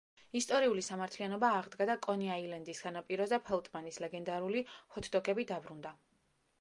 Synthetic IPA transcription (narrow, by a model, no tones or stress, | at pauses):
ist̪ʼɔɾiulisamaɾt̪ʰlianɔbaːʁd̪ɡad̪akʼɔniailɛnd̪isɡanapʼiɾɔzapʰɛlˠt̪ʼmanislɛɡɛnd̪aɾulihɔt̪ʰd̪ɔkʰʼɛbid̪abɾund̪a